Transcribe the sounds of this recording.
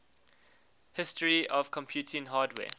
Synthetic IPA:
hɪstəɹiɔv̥kʰɔ̃mpʰjuːˑtʰɪ̃nɦaːdwɛ̰ː

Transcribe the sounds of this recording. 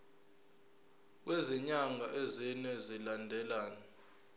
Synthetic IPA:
k̬weziɲaŋʱaʔezinɛzilandʱɛlaːna

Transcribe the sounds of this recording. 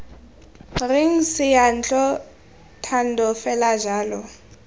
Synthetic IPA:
rɪŋ̩sɪjan̩t͡ɬʼɔ | tʰan̩dɔfɛlaʒaːlɔ

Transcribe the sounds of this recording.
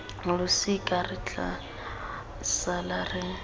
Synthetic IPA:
lʊsɪkʼarɪt͡ɬʼa̰ | salarɪ

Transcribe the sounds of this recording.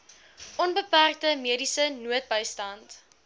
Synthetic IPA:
ʔɔnbəpærk̚təmiədisənuət̚bəjstɐnt

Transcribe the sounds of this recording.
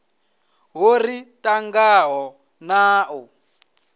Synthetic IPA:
ɦoritʼaŋɡaɦɔ | naːʔɔ

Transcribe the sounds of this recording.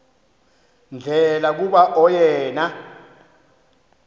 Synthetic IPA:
nd͡ɮʱɛlak̬uɓaʔɔjɛːna

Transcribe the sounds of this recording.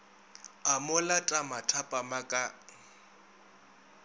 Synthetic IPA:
amʊlatʼamatʰapʼamakʼa

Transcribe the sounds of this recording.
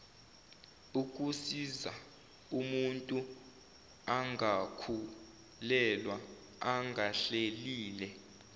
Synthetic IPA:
uk̬ʼusiza̰ | umuntʼu | aŋakʰu | lɛlwa | aŋʱaɬeliːlɛ

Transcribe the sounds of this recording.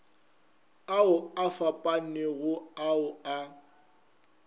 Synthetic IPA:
aʊafapʼan̩nɛɣʊaʊa

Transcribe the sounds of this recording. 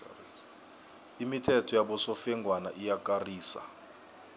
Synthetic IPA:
imitʰɛtʰɔjaɓɔsɔfɛŋɡʱwanaʔijakʼariːsa̰

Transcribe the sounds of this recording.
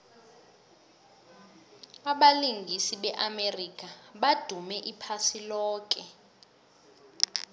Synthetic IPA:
aɓaliŋɡʱisiɓɛʔamerikaɓad̥ʱumɛʔipʰasilɔːk̬ʼɛ

